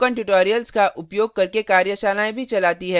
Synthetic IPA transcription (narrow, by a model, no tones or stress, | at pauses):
kə̃ɳʈʊʈoːɾijəlskaʔʊpjoːɡ̚kɐɾkekaːɾjəʃaːnaːẽbʱit͡ʃɐlaːt̪iɦɛː